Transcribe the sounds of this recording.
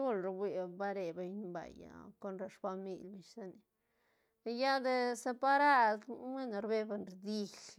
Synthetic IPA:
u˦lɾbi˨ba˦ɾe˨be˧jɲba̰˨ja̰˨ko˦nɾa˧ʂfa˧mḭ˧lʲbi˨ʃsa˦ni˨ | ja˦d̪e˧se˧pa˧ɾa˦d̪me˦no˨˧ɾbe˧be˧nɾd̪i˧l

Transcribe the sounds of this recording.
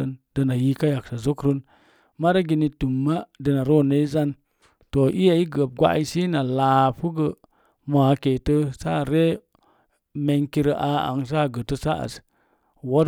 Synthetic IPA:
ə˨ndə˧na˨ji˦ka˦ja˨ksa˨zo˦kɾə˦n | ma˦ɾa˦ɡi˧ni˧tu˨mːa˦də˨na˨ɾo˦˨nə˦i˦za˦n | to˨ʔi˦ja˨i˦ɡə˨p̚ɡʷa̰˦ʔi˦si˦na˨laː˨fu˦ɡə˨ | mo˨a˨˦ke˨tə˦sa˦˨ɾe˦ | me˧ŋki˦ɾə˦ʔa˧a̰˨ŋs̬a˦˨ɡə˨tə˧sa˦ʔa̰˨s | wo˦

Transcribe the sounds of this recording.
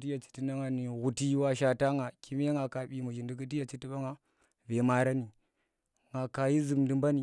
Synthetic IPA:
ti˦ja˨t͡ʃi̥˨ti˦na˦ŋa˨ni˨ɣu˨ti˦wa˦ʃa˨ta˦ŋa˨ki˦me˦ŋa˨ka˨ɓi˨mu˨d͡ʒi˨ndi˨ki˦t̬i˦ja˨t͡ʃi˦ti˦ɓa˦ŋa˨ | ve˨ma˨ɾa˦ni˨ | ŋɡa˨ka˨ji˦zi˨mndi˨mba˦ni˨

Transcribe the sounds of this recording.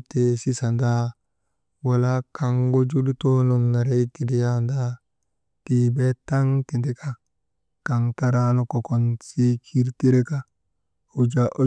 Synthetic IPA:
te˨si˦sa˨nda˦ | wa˨la˦kʰa˨ŋɡo˦d͡ʒu˦li˦to˦no˨nːa˨ɾe˦ti˨di˦ja˦nda˦ | ti˨be˦ta˦ŋti˨ndi˦kʰa˦ | ka˨ŋta˦ɾa˦no˨ko˨ko˨nsi˦kʰi˦ɾti˦ɾe˦ka˦˨ | wd͡ʒaʔo˦

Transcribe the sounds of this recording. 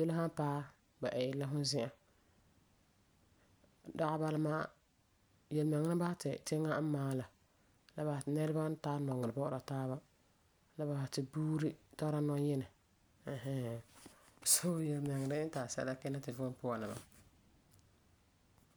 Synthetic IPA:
je˦lɦã˦paː˦ | ba˨ʔɛ˨jɪ˨la˦ɦʊ˦zɪ˦ʔa˨ | da˦ɣa˦ba˦la˦maː˦ | jɛ˨lmɛ˨ŋːa˦nɪ˦ba˦ha˦tɪ˨tɪ˦ŋːa˦m̩˦maː˦la˨ | la˦ba˨ha˨tɪ˨nɛ˦ɾa˦ba˦taː˦nɔ˨ŋːɪ˨ɾɨ˨bɔ˦ʔɾa˨taː˦βa˦ | la˦ba˨ha˨tɪ˨buː˦ɾi˦ta˦ɾa˦nɔ˦jɛ˦nɪ˨ | ha˦˨ | so˦jɛ˨lmɪ˨ŋː˨ɾɪ˦taː˨sɛ̰˦la˦kɛ˦na˦tɪ˨vʊ˦pʊ˦a˨na˨ma˨

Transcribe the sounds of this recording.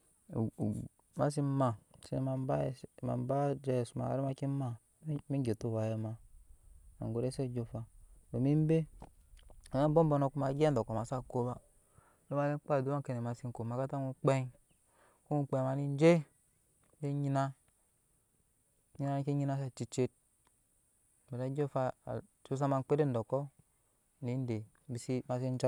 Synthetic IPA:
ma̰˦s̬i˦ma˨se˦n˦ma˨˦ba˦˨ma̰˨m˦ba˦d͡ʒe˦˨su˨ma̰˨˦ɾi˦ma˦ki˦ma˦˨˦ | mi˦ɡe˨tu˦˨wa˨je˨ma˨ | a̰˨ŋɡo˨ɾe˦se˦˨d͡ʒo˨fa˨o˨mi˦m˦be˦˨ | ma˦m˦bo˦mbo˧no˨ku˦ma˨ɡe˦n˨do˨ko˨ma˨sa˦˨ko˦ba˦ | lo˦ma˦li˦k͡pa˦˨du˨˦wa˦ke˨ne˨ma˨si˦n˦ko˨ma˨ka˦ta˦ŋu˦k͡pe˦ŋ | ku˦ŋu˦k͡pe˨ma˨ni˦n˦d͡ʒe˦ | e˦ɲi˦na˦ | ɲi˦na˦ki˦ɲi˦na˦s̬a˦˨t͡ʃi˨t͡ʃe˦t̚ | be˨da˦d͡ʒo˦fa˦a̰˨su˦s̬a˦ma˦˨nk͡pe˦e˦n˨do˨kːo˦˨ | ni˨˦n˦de˨ | bi˨si˦ma˦s̬i˦n˦d͡ʒa˦

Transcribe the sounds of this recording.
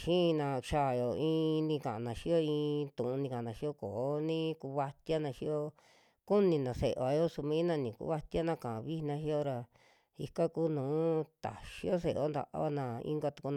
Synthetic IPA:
ʃĩ˦˧nã˧ʃa˦˧˨jo˨ĩ˧˦nĩ˧kã˨ʔã̰˧˨nã˨ʃi˦jo˦ĩː˧t̪ũ˨ũ˧nĩ˧kã˨˧nã˨ʃi˦o˦koː˨˦nĩ˦ku˧βa˧t̪ja˦nã˧ʃi˦o˦ | ku˦nĩ˧nã˨se˨ʔe˨βa˨˧jo˦su˧mĩ˧˦nã˧nĩ˨kṵ˦βa˦t̪a˦nã˧kã˨ã˨˧βi˦˧nã˧ʃi˦o˦ɾa˧ | i˧ka˦kuː˦nũː˨˦t̪a̰˨ʃi˦o˦s̬e˧ʔo˦nd̪a̰˨ʔa̰˦βa˦˧nã˧ḭ̃˦ŋɡa˧t̪u˧ku˧n˧

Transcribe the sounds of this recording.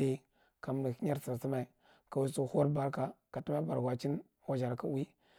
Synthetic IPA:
e˦ | ka˨m˨nu˨ka˦ɾsə˨ɾsi˦ma˨i˨ | ka˨wi˦su˦˨ho˦ɾba˨ɾka˨ka˨tu˦ma˦ba˨ɾɡʷa˨t͡ʃi˦n | wa˨d͡ʒa˨ɾka˦wi˦

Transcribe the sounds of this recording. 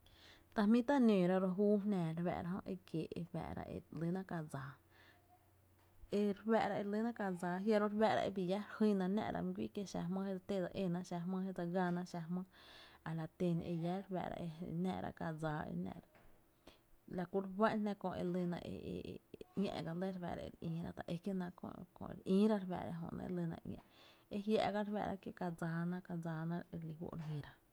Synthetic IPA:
t̪a˧hmĩ˦t̪a˦nĩː˨ɾa˧ɾo˧ɦuː˦ɦnɛ̃ː˨ɾwɛ̰ː˧˨ɾa˧ɦõ˦˧ʔe˧kje˨ʔḛ˧wɛ̰ː˧˨ʔɾa̰˧ʔḛ˧li˧˦nã˧ʔka˧d͡zaː˨ | e˧ɾwɛ˧˨ʔɾa˧ʔe˧li˦nã˦ka˧d͡zaː˧˨ɦja˧ɾo˦ɾbɛ˧ʔɾa̰˧ʔe˧bi˧˨ja˦ɾhi˦nã˧nɛ̰̃˧˨ɾa̰˧m˧ɡʷi˦ʔke˧ʃa̰˧hmə̃˦he˦d͡za˧t̪e˦˨d͡za˧ʔe˧nã˧ʔʃa˧ɦmə̃ː˦he˦d͡za˧ɡa˧nã˧ʔʃa˧hmə̃ː˦a˨la˨t̪e˧nʔe˧ja˦ɾwɛ̰˧˨ɾa̰˧ʔe˧nɛ̰̃˧ʔɾa̰˧ka˧d͡zaː˧˦ḛ˧nɛ̰̃˧˨ɾa˨ | la˨ku˧˦ɾwa˦nnɛ̃˧kõ˧˨e˧lə˧nã˧ʔḛ˧ḛ˧˨ŋʲḛ̃˧ʔɡa˧le˦ɾbɛ̰˧˨ɾa̰˧ḛ˧ɾĩː˨˦ɾa̰˦d̪a˨ʔe˧ke˦nã˧kõ̰˧kõ̰˧˨ʔɾʔĩː˦ɾa˦ɾbɛ̰ː˧˨ɾa̰˧ɦõ̰˧˨ʔnã̰˧ʔḛ˧lə˧nã̰˧ʔŋʲɛ̰̃˧ʔe˦ɦja̰˧ʔɡa˦ɾwɛ̰˧˨ɾa˧kje˦ʔka˧d͡zaː˧nã˧ʔka˧d͡zaː˧nã˦e˧li˧hwo̰˧ʔɾhĩ˧ɾa˧

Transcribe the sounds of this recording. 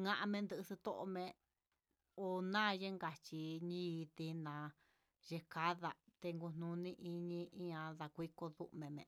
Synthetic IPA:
ŋã˦˧ʔã˧mẽ˧nd̪ɨ˧ʔɨ˧si˧t̪o˦ʔo˧mẽ˧ | o˧nãː˦˨˧je˦ŋɡa˧t͡ʃi˧ɲĩ˦˧t̪i˧nã˨˧ | ʒe˧ka˦ða˧t̪e˧ŋɡu˧n̥nũ˧nĩ˧ʔi˧ɲĩ˧ĩ˦ɲã˧ða˧kʷi˦ko˧ðṵ˦ʔmẽ˨˧mḛ̃˨

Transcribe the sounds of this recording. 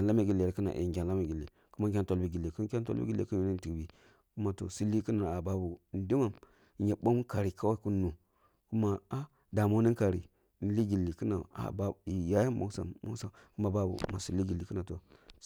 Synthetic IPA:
a˨la˦ma˨ɡi˨lɾi˨ki˦na̰˨ʔḛ˨ɡʲa˨n˨la˦ma˨ɡi˨lːḭ˨ | ku˦ma˦ŋ̬ʲ˦a˦nto˨lbi˦ɡi˨lːi˨ku˦ŋ˦kʲa˦nto̰˦bḭ˦ɡi˦lːḛ˦ku˦nu˨ni˦ti˨kbi˨ | ku˦ma˦to̰˨si˦lːi˦kə˦na˨a˨ba˦bu˨n˨˦di˦ma˨m˨ | ɲe˨ɓo˦m˦ka˨ɾi˨ka˦wa˦ku˦nːu˨ | ku˦ma˦a˦ | da˨mo˦ni˦ŋka˨ɾi˨˦ | n̩˦li˦ɡi˨lːi˨ki˦na˨a̰˨ba˦˨i˨ja˦ja˦mo̰˦ɡsa̰˨mo̰˦sa˨ | ku˦ma˨ba˦bṵ˨˦ma˨si˨lːi˦ɡi˨li˨kə˦na˨to˨

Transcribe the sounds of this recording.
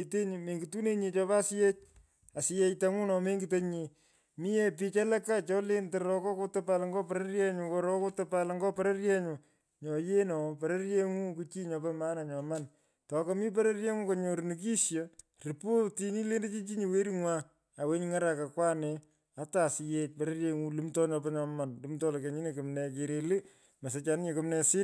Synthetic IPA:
te˦ɲ˨me˨ŋɡi˨tu˦ne˦ɲe˧t͡ʃɔ˦pa˦sɪ˦je˦t͡ʃ̚ | a˨sɪ˨je˦ta˦ŋu˦nɔ˨me˦ŋɡi˨te˦ɲe˨ | mi˦ɛ˦pi˧t͡ʃa˦lɛ˦ka˦t͡ʃɔ˦le˦nteɾɔ˦kɔ˦koto˦pa˦lŋɡɔ˦pe˨ɾerjɛ˦ɲʊ˨ko˧ɾɔ˦ko˦to˦pa˦lŋɡɔ˦pe˨ɾe˦rjɛ˦ɲu˨ | ɲɔ˨je˦nɔ˨pe˨ɾe˦rje˦ŋu˦ku˦t͡ʃi˦ɲɔ˨pɛma˦na˨ɲɔ˨ma˦n | tɔ˨kɔ˦mi˦p̬ɛ˦ɾe˦rje˦ŋu˦kɔ˨ɲo˨ɾni˨k̬i˦sjɔ | ri˨po˦ti˦ni˦le˦nde˦t͡ʃi˦t͡ʃi˦ɲi˨we˦ɾi˦ŋwa˦ | a˨we˦ɲŋa˦ɾa˨ka˨kwa˦nɛ˨ | a˦ta˨si˧je˦t̚pe˨ɾe˦rje˦ŋu˦lɨ˦mtɔ˦ɲɔ˧pɛ˦ɲɔ˨ma˨nlɨ˨˦mtɔ˦lɔ˨ke˨ɲi˦ne˨kɨ˨mnɛ˨ke˨ɾe˨li˦ | ma˨s̬e˨t͡ʃa˨n˦ɲe˨kɨ˦mnɛ˨sɪ˦

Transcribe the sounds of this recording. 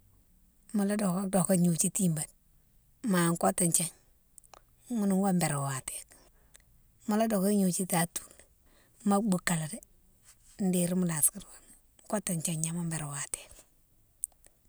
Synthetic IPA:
mu˨la˦do˨ka˦do˨ko˦ɲu˨t͡ʃi˦ti˦mba˨t̚ | ma˨ŋko˦ta˨ɲt͡ʃa˦ɲ | ŋu˦nu˨ŋɡa˦mbe˨ɾo˨wa˨te̥˨k | mu˦la˦do˨ka˦ɲu˨t͡ʃi˦ta˨tu̥˦l | ma˦bu˨ka˨la˨de˦ | n̩de˨ɾi˦mu˦la˨ski˦ɾwa˨n˦ | ko˦ta˨ɲt͡ʃa˨ɲa˨ma˦mbe˨ɾo˨wa˨te̥ː˨k̚

